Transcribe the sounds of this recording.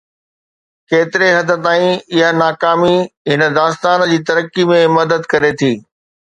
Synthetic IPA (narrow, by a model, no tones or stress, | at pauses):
keːt̪ɪɾeɦɐd̪ə̆t̪aːĩɪɦanaːkaːmiɦɪnə̆d̪aːst̪aːnd͡ʑiːt̪ɐɾəkimẽmɐd̪əd̪kɐɾet̪ʰiː